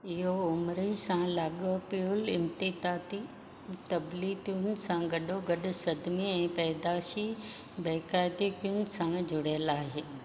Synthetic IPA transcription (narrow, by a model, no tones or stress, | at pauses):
ɪɦoʊmɾisãlaːɠopiʊlɪmt̪it̪aːt̪i | t̪ɐblit̪ʰiʊn̆sãɡɐɗoɡɐɗʊ̆sɐd̪ʱmiɛ̃ːpɐːd̪aːʃi | bɛːkaːɪd̪ipijʊn̆sãŋɡd͡ʑʊɽəlaːɦeː